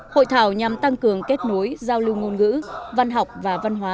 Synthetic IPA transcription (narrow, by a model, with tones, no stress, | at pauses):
ho̰˧˨jt̪ʰaː˧˩wɲa˨˩mt̪a˧ŋkɨ˨˩əŋke˦˥t̚no˨˦jzaː˧wlɨ˧wŋo˧nŋɨ̰˧˥va˧nɦa˨˩wk͡p̚vaː˨˩va˧nɦwaː˨˦